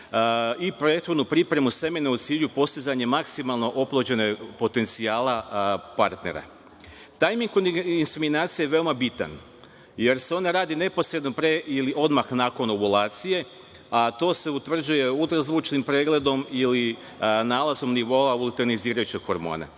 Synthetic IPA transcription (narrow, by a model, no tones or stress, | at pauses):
ipɾoet̪xod̪nupɾipɾe̞muse̞meneut̪siːʎupo̞st̪izaɲe̞maksimalˠno̞ʔoplˠod͡ʑene̞po̞t̪e̞nt̪siaːlapaɾt̪ne̞̰ɾa̰ | t̪ajmiŋɡkoinseminaːt̪sijajeʋe̞omabit̪a̰n | je̞ɾseo̞naɾaːd̪ine̞po̞sɾed̪nopɾeiliʔo̞d̪maxnaːko̞nobulˠaːt̪sije̞ | at̪o̞ːse̞ut̪ʋr̩d͡ʑd͡ʒuje̞ut̪ɾazˠut͡ʃnimpɾeːɡle̞d̪o̞mili | naːlˠazo̞mniʋo̞aulˠt̪eɾniziːɾajut͡ɕeɡxo̞ɾmo̞̰ːna̰